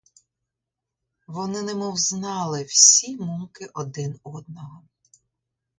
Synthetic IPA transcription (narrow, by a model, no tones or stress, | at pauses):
ʋɔnɪnɛmɔwznɑlˠɪwsʲimumkɪʔɔd̪ɪnɔd̪̚nɔɦɔ